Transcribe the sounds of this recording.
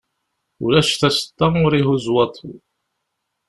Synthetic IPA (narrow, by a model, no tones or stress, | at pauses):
ṵlæʃθæsə̥t̪ːɑʊɾiɦuzwɑt̪ˤʰu